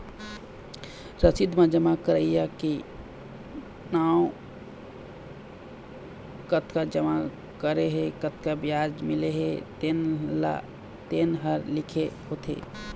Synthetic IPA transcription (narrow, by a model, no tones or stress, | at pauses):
ɾəsid̪mãd͡ʒəmakəɾəijaki | naːw | kət̪ʰkad͡ʒəma | kəɾeɦekət̪ʰkabjaːd͡ʒmɪleɦet̪enla̰ | t̪eːnɦəɾlɪkʰehoːt̪ʰḛː